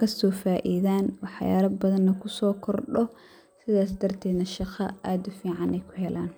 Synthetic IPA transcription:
kʰɐsɔːfaːʔiðaːnwɑħja̰ːɾɐbɐðɐnːɐkʰʊsɔːkʰɔrɗɔ | sɪðaːs̬d̪ɐrt̪ʰɛːd̪nɐʃɑqɐʔaːd̪ʊfiːʕɑnɛjkʰʊɦɛlʔaːn

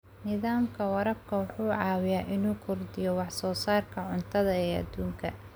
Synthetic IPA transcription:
nɪðaːmkʰɐwɐɾɐb̚kʰɐwʊħuːʕɑːwɪjaːʔɪnuːkʰʊrd̪ɪjɔwɑħsɔːsaːrkʰɐʕʊnt̪ʰɐðɐɛːɐ̰d̪uːŋkʰɐ

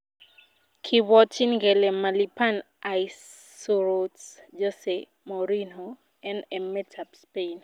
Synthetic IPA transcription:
kʰiwɔtinɡɛlɛmalipan | ajs | oɾotsd͡ʒɔse | mɔɾino | ɛnɛmɛtʰapspen

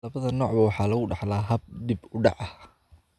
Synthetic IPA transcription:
lɐβɐðɐnɔːʕbɐwɑħɑːlɐɣʊɖɑħlaːɦɐb̚d̪ibʊɖɑ̰ʕɐ

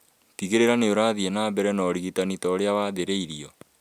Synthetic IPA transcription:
tiɣeɾeɾaneoɾaːðienaːbɛɾɛnɔɾiɣitanitɔɾeawaːðeɾeiɾiɔ

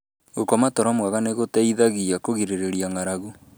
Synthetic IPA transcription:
ɣokɔmatɔɾɔmwaɣaneɣotɛiðaɣiakoɣiɾeɾeɾjaŋaɾaɣu

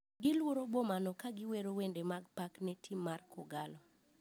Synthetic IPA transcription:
ɡɪlwoɾobomanɔkaɡɪweɾowendemaɡ̚paknɛtʰimːarkʰɔɡalɔ

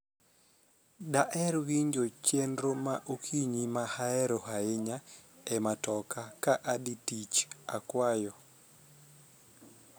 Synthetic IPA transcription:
daʔɛɾwiɲd͡ʒot͡ʃendɾomaʔokʰiɲimahaɛɾohaɪɲaɛmatɔkakaʔaditit͡ʃakwajɔ

